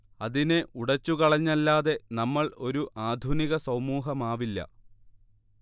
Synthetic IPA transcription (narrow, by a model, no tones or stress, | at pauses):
ɐðineʔuɽɐt͡ɕːukɐɭɐɲːɐlːaːðe̞nɐmːɐɭo̞ɾuʔaːd̪ʱuniɣɐsɐwmuːɦɐmaːʋilːɐ̰